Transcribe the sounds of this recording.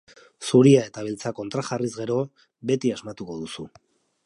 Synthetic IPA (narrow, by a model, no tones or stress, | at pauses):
suɾiae̞t̪aβ̞ilt͡sako̞nt̪ɾaxarizɣe̞ɾo̞ | be̞t̪iazmat̪uko̞ðusu